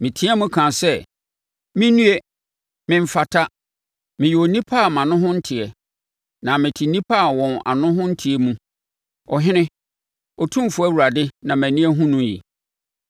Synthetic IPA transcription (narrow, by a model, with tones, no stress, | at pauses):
mɪ̃˨tʰɪ̃˦ɛ˦mũ˦kʰã˨nsɛ˦ | mɪ̃˦nũ˦e˦ | mɪ̃˨m̩˦fa˨tʰa˦ | mɪ̃˨jɛ˨o˨nĩ˦pʰa˦˨mã˨nʊ̃˦ɦʊ̃˦n̩˦tʰɪ˨ɛ˨ | nã˨mɪ̃˨tʰi˨nĩ˦pʰa˦˨wɔ̃˨na̰˨nʊ̃˦ɦʊ̃˦n̩˦tʰi˨ɛ˦mũ˦ | ɔ˨ɦɪ̃˦nɪ̃˦ | ɔ˨tʰũ˦˨fʊ˦æ˦wu˨ɾa˨dɪ˦nã˨mæ̃˨nĩ˦ɛ˦ɦũ˦nũ˦jḭ˨